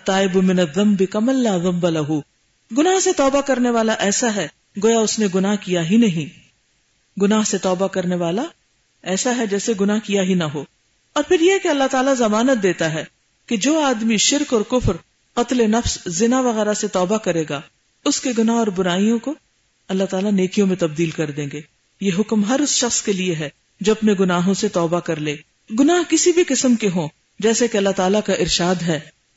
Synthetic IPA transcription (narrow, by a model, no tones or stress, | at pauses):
ɐt̪ːaːɪbmɪnɐðːɐ̃mbɪkɐmɐlːaːðɐ̃mbalɐɦu | ɡʊnaːɦset̪ɔːbakɐɾneʋaːlaʔɛːsaɦɛ | ɡoːjaʊsneɡʊnaːɦkijaɦinɐɦĩː | ɡʊnaːɦset̪ɔːbakɐɾneʋaːla | ɛːsaɦɛd͡ʒɛːseɡʊnaːɦkijaɦinɐɦoː | ɔːɾpʰɪɾjekeɐlːaɦt̪aːlazɐmaːnət̪̚d̪eːt̪aɦɛ | ked͡ʒoːaːd̪miʃɪɾkɔːɾkʊfɾ | qɐt̪lenɐfszɪnaʋɐɣɛːɾaset̪ɔːbakɐɾeːɡaː | ʊskeɡʊnaɦɔːɾbʊɾaːijõko | ɐlːaɦt̪aːlaneːkijõmẽt̪ɐb̚d̪iːlkɐɾd̪ẽːŋɡeː | jeɦʊkmɦɐɾʊsʃɐxskelieɦɛː | d͡ʒoːɐpneɡʊnaːɦõset̪ɔːbakɐɾleː | ɡʊnaːɦkɪsibʱiqɪsəmkeɦõː | d͡ʒɛːsekeɐlːaɦt̪aːlakaʔɪɾʃaːd̪ɦɛː